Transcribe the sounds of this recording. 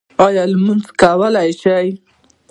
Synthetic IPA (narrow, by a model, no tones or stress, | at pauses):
ɑjɑlmunzkawəlajʃaj